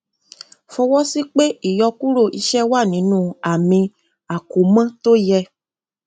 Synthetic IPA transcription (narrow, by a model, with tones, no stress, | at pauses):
fɔ˧wɔ˦si˦k͡pe˦i˦˨jɔ˧ku˦ɾo˦˨ʔi˧ʃɛ˦wa˦˨nĩ˨˦nũː˦˨a˨mĩ˧ | a˨ko˨˦mã˦to˦jɛ˧